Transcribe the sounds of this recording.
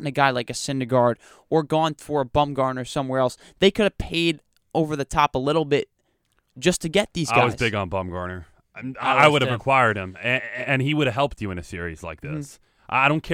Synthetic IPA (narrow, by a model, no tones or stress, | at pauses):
n̩ɨɡaɪlaɪkɨsɪ̃ndəɡɑɹd | ə˞ɡɔ̃nffə˞əbʌ̃mɡɑɹnə˞sʌ̃mwɛɹɛlˠs | ðeɪkʰʊɾɨv̥pʰeɪɾ | oʊvə˞ðɨtʰɑpəlɪɾl̩ˠbɪt̚ | d̥ʒ̥ʌstʰɨɡɛt̪̚ðizɡaawʌzzɪɡn̩bʌ̃mɡɑ̰ɹnə˞ | aɪwʊɾɨvvɹɨkʰw̥aɪə˞d̚ɨ̃mɨɨ̃niwʊɾɨv̥ɦɛlˠp̚t͡ʃɨɨ̃nɨsɪɹḭzla̰ɪk̚ðɪ̰s | ʔaɪaɪɾõʊ̃nkʰɛ